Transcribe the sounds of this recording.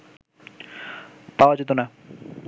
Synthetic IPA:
paoad͡ʑet̪ona

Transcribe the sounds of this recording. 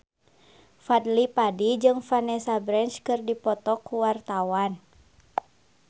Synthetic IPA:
fadlipadid͡ʒɨŋfanɛsabɾɛnt͡ʃkɨrdipɔt̪ɔkːuwart̪awan

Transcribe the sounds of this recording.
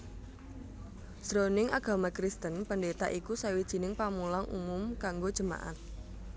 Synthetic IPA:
sɾonɪŋaɡ̥a̤makɾist̪ənpəndet̪a̰ʔikusawid̥ʒ̥i̤nɪŋpamulaŋʔṵmʊmkaŋɡod̥ʒ̥ə̤ma̰ʔa̰t̪̚

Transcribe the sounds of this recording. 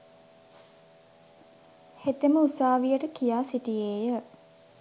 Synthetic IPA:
het̪eməusaːʋijəʈəkijaːsitijeːjə

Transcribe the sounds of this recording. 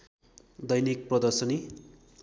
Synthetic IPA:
d̪ʌjnik̚prʌd̪ʌrsʌni

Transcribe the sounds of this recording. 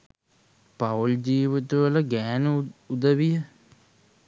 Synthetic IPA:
pald͡ʒiːʋit̪uʋələɡæːnəud̪əʋijə

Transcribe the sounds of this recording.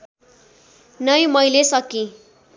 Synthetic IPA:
nʌjmʌjlesʌkĩ

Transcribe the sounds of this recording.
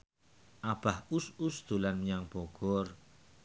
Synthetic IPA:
ʔab̥ahususd̪̥ulanməɲaŋb̥ɔɡ̥ɔr

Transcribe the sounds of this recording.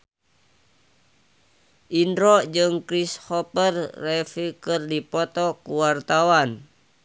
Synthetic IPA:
ʔindɾɔd͡ʒɨŋkɾishɔpərːɛfikɨrdipɔt̪ɔkuwart̪awan

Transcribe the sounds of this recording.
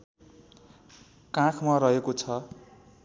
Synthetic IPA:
kãkʰmaɾʌɦekot͡sʰʌ

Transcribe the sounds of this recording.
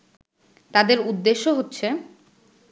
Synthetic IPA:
t̪ad̪eɾud̪ːeʃːoɦotːɕʰe

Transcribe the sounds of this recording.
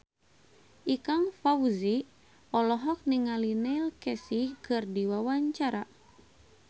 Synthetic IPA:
ʔikaŋfauzi | ɔlɔɦɔk̚niŋalinɛilkɛsikɨrdiwawaɲt͡ʃaɾa

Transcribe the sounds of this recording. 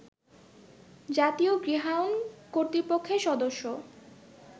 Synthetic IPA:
d͡ʑat̪ioɡɾiɦawnkoɾt̪ɾipokʰːeʃɔd̪oʃːo

